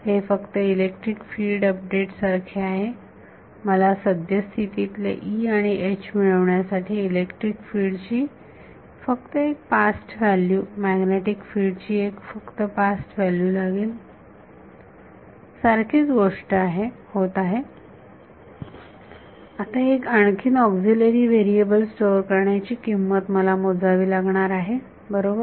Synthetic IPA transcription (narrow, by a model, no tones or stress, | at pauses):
hefəkt̪əilek̚ʈɾikfilɖəp̚ɖeʈsaɾkʰeaɦe | məlasəd̪jəst̪ʰit̪it̪lḛʔiaɽ̃iʔet͡ɕʰmiɭəʋɳjasaʈʰiːilekʈɾikfiːɽt͡ɕiː | fək̚t̪əek̚pasʈʋæljuːmæɡneʈikfiɽt͡ɕiːekfəkt̪əpasʈʋæljuːlaɡiːl | saɾkʰiːt͡sɡoʂʈəaɦehot̪aɦe | at̪aekaɳkʰiːnɔkd͡zileɾiːʋeɾiebəlsʈoɾkəɾɳjat͡ɕiːkimːət̪məlamod͡zaʋiːlaɡɳaɾaɦe | bəɾobəɾ